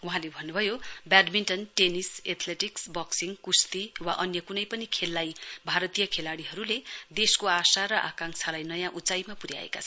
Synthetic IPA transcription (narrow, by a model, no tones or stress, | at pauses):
wuɦãlebʱʌnːubʱʌjobjaɖminʈʌnʈeniset̪ʰleʈiksbʌksiŋkust̪iwa̰ʔʌnjʌkunʌjpʌnikʰelːajbʱaɾʌt̪ijʌkʰelaɽiɦʌɾuled̪eskoasaɾʌʔa̰kãŋsʰalajnʌjãʔut͡sajmapuɾja̰ḛka̰t͡sʰʌn